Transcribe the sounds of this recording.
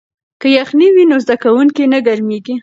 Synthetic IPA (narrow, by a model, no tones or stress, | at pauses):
kəjaxniwinozd̪akawuŋkinəɡaɾmeɡi